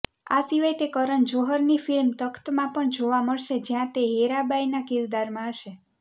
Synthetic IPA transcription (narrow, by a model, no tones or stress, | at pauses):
a̰siʋajt̪ekəɾənd͡ʒoɦəɾnifilmt̪əkt̪mãpəɳd͡ʒoʋaməɭʃed͡ʒjãt̪eɦeɾabajnakiɾd̪aɾmãəʃe